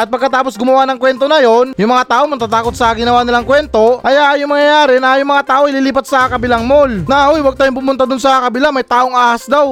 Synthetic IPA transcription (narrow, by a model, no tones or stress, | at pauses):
ʔɐt̪̚pɐɡ̚kɐt̪aːpo̞sɡʊmɐwanɐŋkwɛnt̪o̞nɐjo̞njʊŋmɐŋat̪aːʔoŋmɐɡ̚t̪at̪aːko̞t̪̚sɐɡɪnɐwaːnɪlaŋkwɛnt̪o̞ʔɐjaʔjʊŋmɐŋjɐjaːɾɛnɐjʊŋmɐŋat̪aːʔoɪliːliːpɐt̪̚sɐkɐbɪlaŋmolnɐʔojwɐɡ̚t̪aːjoŋpʊmʊnt̪ad̪ʊnsɐkɐbɪlamɐjt̪aːʔo̞ŋaːhɐsd̪aw